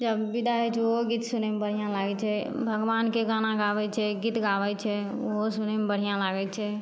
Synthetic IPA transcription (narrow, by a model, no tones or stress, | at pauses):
d͡ʒəbːid̪ʱaɦɛt͡ʃʰɛooɡiːt̪sunɛmebəɽ̤ijãlaɡɛt͡ʃʰɛ | bʱəɡʋankeɡanaɡabɛt͡ʃʰɛɡit̪ɡaʋɛt͡ʃʰɛ | oɦosunɛmebəɽ̤ijãlaɡɛt͡ʃʰɛ